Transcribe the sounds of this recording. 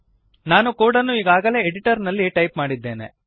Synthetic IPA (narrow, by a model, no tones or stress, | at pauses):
naːnukoːɽɐnːuiːɡaːɡɐle̞ːeɽiʈɐɾnɐlːiʈɐjpmaːɽid̪ːeːnḛ